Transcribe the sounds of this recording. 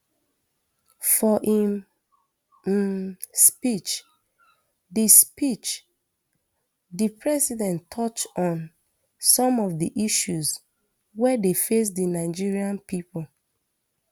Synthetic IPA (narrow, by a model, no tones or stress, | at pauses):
fɔʔim | spit͡ʃ | dispit͡ʃ | dipɹɛsidɛ̃ntʰɔt͡ʃɔ̃n | sɔ̃mɔvdiʔiʃuz | wɛdefes̬dinaɪd͡ʒiɹiãnpipol